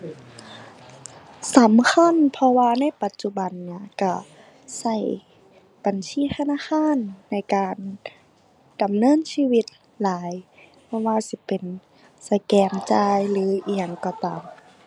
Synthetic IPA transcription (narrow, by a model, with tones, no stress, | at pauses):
sa˨˦mkʰa˧˥˨npʰɔ˧waː˧na˧˥˨jpa˨˧˦t̪̚t͡ɕu˧ba˨˩nːi˧˩ɐ˨ka˧˩ | sa˧˩j | b̥a˨nsiː˧˥˨t̪ʰa˧naː˧˥˨xaː˧˥˨nːa˧˩˨jkaː˨n | d̥a˨˩mnɤː˧˥˨nsiː˧˨wi˧t̪̚ | laː˨˦j | pʰɔ˧waː˧si˧˦pe˨˩n | sa˧jkɛː˧˩ŋt͡ɕaː˧jlɯː˨˦ʔi˧a˧˨ŋkɔ˧˩t̪aː˨m